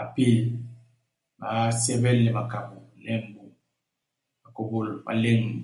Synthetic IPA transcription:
a˨pi˦˨l | ma˨sɛ˦bɛ˦lːɛ˨ma˨ka˨bu˨lɛ˦mbu˨ | ma˨ko˨bo˦˨lma̰˨le˦ŋ˨

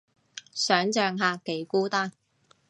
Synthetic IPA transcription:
sœː˨˥ŋt͡ʃœː˨˧ŋɦaː˨˧ke˨˥jkuː˥t̪aː˥˩n

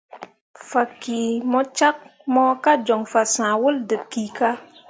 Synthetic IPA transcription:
fa˨ki˨mɔ˦t͡ʃa˦k̚mɔ˦ka˦d͡ʒɔ˨ŋfa˨sã˨wu˦ldɨ˨bki˨ka˦

